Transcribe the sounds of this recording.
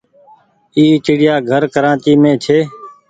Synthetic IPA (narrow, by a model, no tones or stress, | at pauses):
iːɪt͡ʃɪɽɪjaːɡʱəɾkəɾãːt͡ʃiːmẽːt͡ʃʰeː